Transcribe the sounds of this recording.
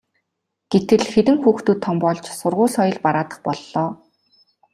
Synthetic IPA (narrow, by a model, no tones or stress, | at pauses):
ɡ̥et̪ɘ̆ɮxeɾɘ̆ŋxuːxt̪uːt̪ʰːɔmpɔɮt͡ɕsʊrʁʊːɮχɔjɞ̆ɮpaɾaːt̪ə̆χpɔɮːɔː